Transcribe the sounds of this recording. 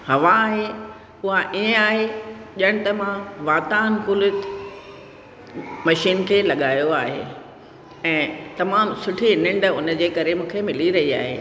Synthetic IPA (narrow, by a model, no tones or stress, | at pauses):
hɐʋaːɦe | ʊɦaʔiə̃aːɦeʄəɽ̃t̪ɐmãʋaːt̪aːnkulɪt̪ | mɐʃiːnkʰeːlɐɠaːjoaːɦḛː | ɛ̃ːt̪ɐmaːmsʊʈʰinɪ̃ɳɖʊnə̆d͡ʑeːkɐɾemũːkʰemɪliɾɐɦia̰ːɦḛː